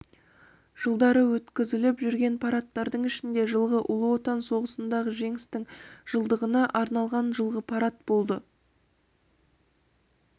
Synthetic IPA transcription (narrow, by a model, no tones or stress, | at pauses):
ʒ̥əlˠd̪ɑɾəwɵt̪kʲɪzɪlɪpʒʏɾɡʲe̞npʰɑɾɑt̪ːɑɾd̪əɴɪʃɪnd̪e̞ʒəlˠʁəʔʊlˠəwot̪ɑnso̞ʁəsənd̪ɑʁəʒe̞ŋɪst̪ɪŋʒ̥əlˠd̪əʁənɑʔɑɾnɑlˠʁɑnʒəlˠʁəpʰɑɾɑt̪̚bo̞lˠd̪ə